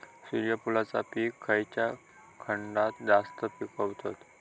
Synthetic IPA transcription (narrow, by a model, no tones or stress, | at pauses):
siɾijəpulat͡sa̰piːkʰːəjt͡ɕja | kʰəɳɖat̪d͡zast̪əpikəʋt̪ot̪